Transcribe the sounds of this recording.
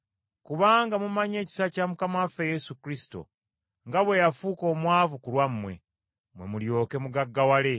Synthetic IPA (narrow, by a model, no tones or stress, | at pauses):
kuβaːŋɡamumaɲe̞ːci̥sacamukamafeje̞sukɾisi̥to̞̰ | ŋɡaβwe̞jafuːko̞ːmwaːvukulwamːwe̞̰ | mwe̞muljo̞ːke̞muɡaɡːawale̞